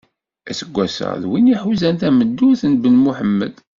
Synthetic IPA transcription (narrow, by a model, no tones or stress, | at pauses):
æsəɡʷːæsə̰ʁðwiniħuzænt̪æməd̪ːuθnbənmuħəmːə̰d̪